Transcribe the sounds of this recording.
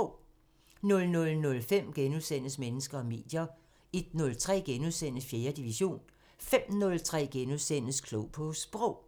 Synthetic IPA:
nɔ̽lnɔ̽lnɔ̽lfem̰ɡ̥enuðˠsen̰əsmenəsɡ̥ɐɒ̽me̝̰ːd̥jɐ | e̝d̥nɔ̽lt͡sʰʁɛ̰ːɡ̥enuðˠsen̰əfje̝ːɐd̥iʋiɕo̝̰ːn | fem̰nɔ̽lt͡sʰʁɛ̰ːɡ̥enuðˠsen̰əskʰloʊpʰɒ̽sb̥ʁɔʊ̰

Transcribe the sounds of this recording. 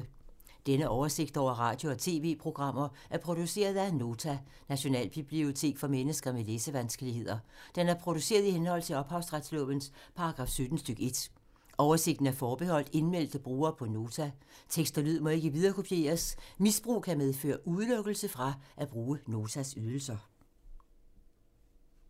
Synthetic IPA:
d̥enəʔɒʊɐse̝ɡ̥̚d̥ɒ̰ʊ̰ɐʁɑ̈ːd̥jo̝ɒ̽t͡sʰe̝̰ːʋe̝̰ːpʰʁo̝ɡ̥ʁɑ̈m̰ɐʔæɐpʰʁo̝d̥use̝̰ːɐð̞ˠæno̝ːt͡sʰæ | næɕo̝nɛ̰ːlb̥ib̥lio̝t͡sʰe̝̰ːɡ̥fɒ̽menəsɡ̥ɐmeleːsəʋænsɡ̥əliɦe̝ð̞̰ˠɐd̥enæɐpʰʁo̝d̥use̝̰ːɐð̞ˠihenhɒ̽l̰t͡sʰe̝ɒ̽b̥hɑ̈ʊsʁad̥slɔ̰b̥ənspʰɑ̈ɑɡ̥ʁɑ̈ːfsød̥n̩sd̥øɡ̥e̝d̥ | ɒʊɐse̝ɡ̥d̥n̩æɐfɒːb̥e̝hɒ̽l̰d̥e̝nmel̰d̥əb̥ʁuːɐːpʰɒ̽no̝ːt͡sʰæt͡sʰeɡ̥sd̥ɐlyð̰ˠmɒ̽e̝ɡ̥əʋið̞ˠɐːkʰo̝pʰje̝̰ːɐsmisb̥ʁṵːkʰæmeðˠfø̰ːɐʔuðˠløɡ̥l̩səfʁɑ̈ʔæb̥ʁuːəno̝ːt͡sʰæsyðˠl̩sɐ

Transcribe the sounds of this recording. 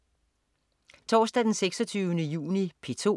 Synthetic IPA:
t͡sʰɒ̰ːsd̥æd̥enseɡ̥sɒt͡sʰyːʊənəjṵːnipʰe̝t͡sʰo̝̰

